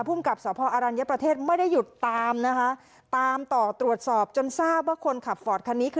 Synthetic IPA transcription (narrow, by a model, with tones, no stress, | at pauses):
pʰu˥˩mka˨˩p̚sɔː˩˦˥pʰɔː˧ʔaː˧ɾaː˧nja˦˥pɾa˧t̪ʰeː˥˩t̪̚ma˥˩jda˥˩jːu˨˩t̪ːaː˧mna˦˥kʰa˦˥ʔ | t̪aː˧mt̪ɔː˨˩t̪ɾu˨˩ət̪̚sɔː˨˩p̚t͡ɕo˧nsaː˥˩p̚waː˥˩kʰo˧nkʰa˨˩p̚fɔː˨˩t̪̚kʰa˧nːiː˦˥kʰ